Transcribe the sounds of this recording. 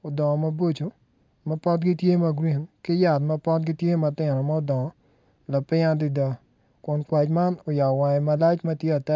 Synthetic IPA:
o˨dɔ̃˨mɐ˦bo˦t͡ʃo˨ | mɐpɔ˦tɡɪ˦tje˦mɐ˨ɡɾi˨nkɪ˦ja˨t̪mɐ˦pɔ˦t̚ɡɪ˦tje˦ma˨tɪ˨nɔ˨ma˦o˦dɔ̃˨ɔ˨ | la˨pɪ˦ad̪ɪ˦da˨ | kʊ˨nkwa˨t͡ʃma˦nɔ˨ja˨wa˨ɛ˨ma˦la˦t͡ʃmɐ˦tje˦a˨tɛ˦

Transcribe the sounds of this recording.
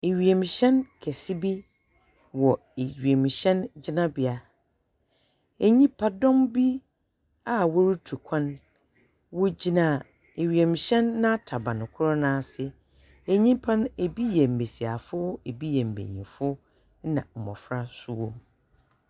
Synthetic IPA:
e˨ɥi˨e˨mĩ˨ɕɛ̃˦nkʰɛ˨si˦bi˦ | wɔ˨ | e˨ɥi˨e˨mĩ˨ɕɛ̃˦nd͡ʑɪ˦nã˦bɪ˦a˨ | ɛ˨ɲĩ˦pʰa˦dɔ̃˦mbi˦ | a˨wɔ˦ɾu˦tʰu˨kʷʰã˦n | wɔ˦d͡ʑi˨nã˨ | e˨ɥi˨e˨mĩ˨ɕɛ̃˦nːã˦tʰa˨bã˨nʊ̃˨kʰʊ˦ɾɔ˦nãː˦sɪ˦ | e˨ɲĩ˦pʰã˦ne˨bi˦jɛ˨m̩˨be˨si˨a̰˨fʊ˦e˨bi˦jɛ˨m̩˨bḛ˨ɲḭ̃˨fʊ˦ | nã̰˨m̩˨mɔ̰̃˨fɾa˦su˦wɔ̰̃˦m

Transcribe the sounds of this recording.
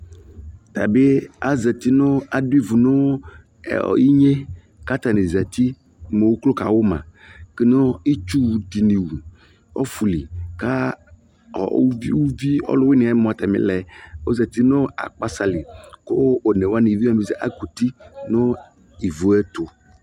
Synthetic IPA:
t̪a˨be˦a˦zɛ˨t̪i˦nɔ̃˦a˨du˦i˦˨vu˨nɔ̰˦˨ | i˦ɲe˦ | ka˦t̪a˨nẽ˨zɛ˨t̪i˦ | me˨wu˦klo˦ka˨wo˦mã̰˨ke˦nɔ̃˦i˦t͡ʃu˦wu˨d̪i˨nĩ˨wu˨ | ɔ̰˦fu˨li˨ka˦ | ɔ̰˨˦i˦wu˦vi˦ɔ̰˦lʊ˦we˦ne˨a˨˦mɔ̃˨a˨t̪a˨mḛ̃˨lɛ˨wo˦zɛ˨t̪i˦nɔ̃˦a̰˨k͡pa˦sa˨li˨ko˦o˨ne˨wo˦a˦ni˨vi˦a˦˨me˨zɛ˨ʔa̰˨˦ku˨t̪i˦nɔ̃˦ | i˨vu˨ɛ˦t̪o˨

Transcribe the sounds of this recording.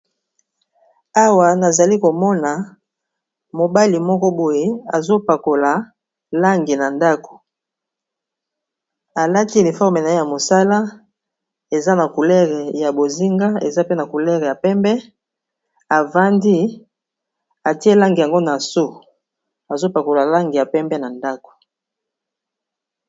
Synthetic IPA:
a˦wa˨na˨za˨li˦ko˨mɔ˦na˨ | mo˨ba˦li˨mɔ˦kɔ˦bo˦je˦a̰˨zo˦pa˨ko˨la˨ | la˦ŋɡi˨na˨nda˦ko̥˨ | a˨la˦ti˦e˨ni˨fɔ˦ʁme˨na˨e˦ja˨mo˨sa˦la˦ | e˨za˦na˨ku˨lɛ˦ʁe˨ja˨bo˨zi˦ŋɡa˦ḛ˨za˦pe˦na˨ku˨lɛ˦ʁɛ˨ja˨pɛ˦mbɛ˦ | a˨va˦ndi˦ | a˨ti˦e˦la˦ŋɡi˨a˨ŋɡo˦na˨so˦ | a˨zo˦pa˨ko˨la˨la˦ŋɡi˨ja˨pɛ˦mbɛ˦na˨nda˦ko̥˨

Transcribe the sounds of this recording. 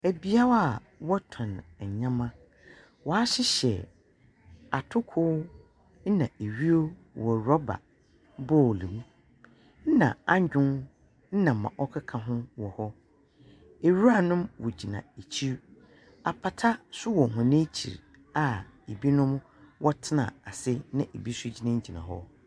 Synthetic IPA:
æ˨bi˦a˦wa˦a˨ | wɔ˦tʰɔ̃˨n˨ɲã˦mã˦ | wɔ˨a˦ɕɪ˦ɕɛ̰˨ | a˨tʰʊ˦kʰʊ˦ | n̩˦nã˨e˨ɥi˦o˦ | wɔ˨ɾɔ˦ba̰˨ | bɔ˦˨li˨mũ˦ | n̩˦nã̰˨a˦ɲ˦d͡ʑᶣʊ̃˦n | n̩˦nã˨mːã̰˨ʔɔ˦kʰa˦kʰã˨ɦʊ̃˦wɔ˨hɔ˦ | e˨ɾu˦a˦˨nʊ̃˦mwɔ˨d͡ʑi˨nã̰˨e˨t͡ɕʰi˦ɾ | a˨pʰa˨tʰa˦sʊ˦wɔ˨ɦʊ̃˨nɪ̃˦t͡ɕʰḭ˨ɾ | a˦˨e˨bi˦nʊ̃˦m | wʔɔ˦tʰɪ˦nã̰˨a˨sɪ˦nã˦e˨bi˦sʊ˦d͡ʑi˨˦nã˦ɲ˦d͡ʑi˨nã̰˨ɦɔ̰˦

